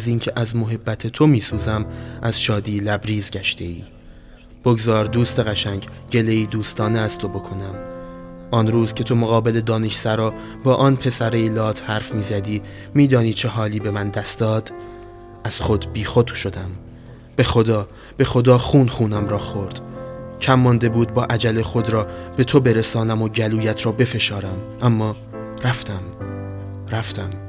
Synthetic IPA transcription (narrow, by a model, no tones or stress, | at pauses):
ziːncʰeʔæzmo̞ɦe̞bːæt̪ʰet̪ʰo̞miːsuːzæmʔæz̥ʃɒːd̪iːlæbɾiːzɟæʃt̪ʰe̞iː | b̥o̞ɡzɒːɾd̪uːst̪e̞ɣæʃæɲɟɟe̞le̞iːd̪uːst̪ʰɒːneæst̪ʰo̞bo̞kʰo̞næm | ʔɒnɾuːzcʰe̞t̪ʰo̞moɣɒːbe̞le̞d̪ɒːneʃsæɾɒː | bɒːʔɒːnpʰe̞sæɾeilɒːt̪ʰhæɾfmiːzæd̪iː | miːd̪ɒːniːt͡ʃʰe̞ɦɒːliːbe̞mænd̪æst̪d̪̥ɒːd̪̥ | ʔæz̥χo̞d̪biːxo̞t̪ʃo̞d̪æm | b̥e̞xo̞d̪ɒː | b̥e̞xo̞d̪ɒːxuːnχuːnæmɾɒːxo̞ɾd̪̥cʰæmːɒnd̪e̞buːd̪̚bɒːʔæd͡ʒælexo̞d̪ɾɒːb̥e̞t̪ʰobe̞ɾesɒːnæmoɟæluːjæt̪ʰɾɒːbe̞fe̞ʃɒːɾæm | ʔæmːɒː | ɾæft̪ʰæm | ɾæft̪ʰæm